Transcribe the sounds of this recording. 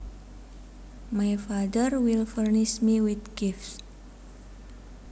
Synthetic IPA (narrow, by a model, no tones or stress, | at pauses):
majfad̪ərwilfərnɪʃmiwid̪ɡifs